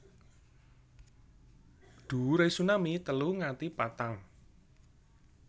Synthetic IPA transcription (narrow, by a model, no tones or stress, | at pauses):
d̪̥ṳɾesunamit̪əluŋat̪ipat̪aŋ